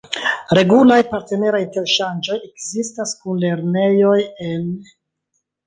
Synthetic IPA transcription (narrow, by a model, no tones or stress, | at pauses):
ɾe̞ɡulajpaɾte̞ne̞ɾajinte̞ɾʃand͡ʒo̞je̞kzistaskunle̞ɾne̞jo̞je̞n